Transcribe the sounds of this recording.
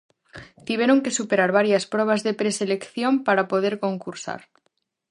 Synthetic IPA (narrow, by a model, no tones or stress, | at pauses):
t̪iβeɾoŋkesupeɾaɾβ̞aɾjaspɾoβ̞azðe̞pɾeselekθjo̞mpaɾapo̞ð̞eɾko̞ŋkuɾsa̰ɾ